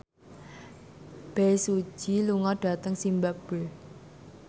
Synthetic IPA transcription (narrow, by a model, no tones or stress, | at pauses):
b̥esu̥ʒ̥iluŋɔɖ̥a̤t̪əŋsimbab̥əl